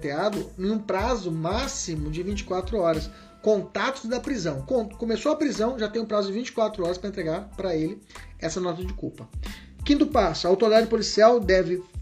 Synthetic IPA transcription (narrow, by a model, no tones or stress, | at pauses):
t̪ead̪ʊẽũpɾazʊmasimʊd͡ʒɪvĩnt͡ʃɪ̥kwat̪ɾʊɔɾɐs | kõnt̪at̪ʊzd̪ɐpɾizɐ̃w̃kõkomesoɐpɾizɐ̃w̃ʒat̪ẽj̃ʊpɾazʊd͡ʒɪvĩt͡ʃɪ̥kwat̪ɾʊɔɾɐspɾɐẽt̪ɾeɡaɾpɾɐelɪɛsɐnɔt̪ɐd͡ʒɪkuwpɐ | kĩnt̪ʊpasʊɐawt̪oɾid̪ad͡ʒɪpolisiawd̪ɛvɪ